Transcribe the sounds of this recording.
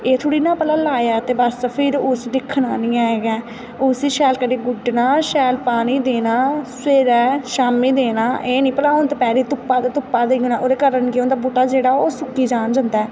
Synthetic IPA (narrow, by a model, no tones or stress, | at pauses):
eːt̪ʰʊːɽiːnãːpəlaːlaːjaːt̪eːbəspʰɪɾʊsd̪ɪkʰːnaːnĩːaːeːɡɛː | ʊsiːʃɛːlkəɖeːɡʊɖnaːʃɛːlpaːniːd̪eːnaːseːɾɛːʃaːmiːd̪eːnaːʔeːnĩːpəlaːnt̪epɛːɾiːt̪ʊpːaːd̪t̪ʊpːaːd̪eːunãːʔoːɾeːkəɾənkeõnd̪aːboːʈaːd͡ʒeːɽaːoːsʊkːiːd͡ʒaːnd͡ʒənd̪aː